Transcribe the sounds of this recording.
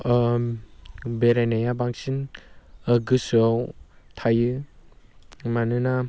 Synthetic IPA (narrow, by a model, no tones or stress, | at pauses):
beɾenajabaŋsin | əɡɯsɔwtʰajɯ | manɯna